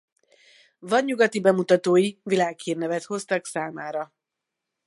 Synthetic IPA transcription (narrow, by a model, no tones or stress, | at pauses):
vɒɲːuɡɒt̪ibɛmut̪ɒt̪oːjivilaːkheːrnɛvɛt̪ho̞st̪ɒksaːmaːɾɒ